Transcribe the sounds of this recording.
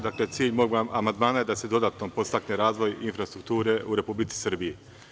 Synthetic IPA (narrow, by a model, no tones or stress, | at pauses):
d̪aːklet̪siːʎʲmo̞ɡamand̪maːnaje̞d̪ased̪o̞d̪aːt̪nopo̞st̪akneɾaːzʋo̞jinfɾast̪ɾuk̚t̪uːɾe̞ʔuɾe̞publit̪si̥sɨr̩biji